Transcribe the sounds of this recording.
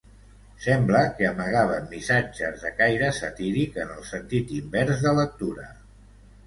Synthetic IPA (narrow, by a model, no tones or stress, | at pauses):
sɛmbləkəəməɣaβ̞əmːisad͡ʒəzðəkajɾəsət̪iɾikənəlˠsənt̪it̪imbɛɾzðələk̚t̪uɾə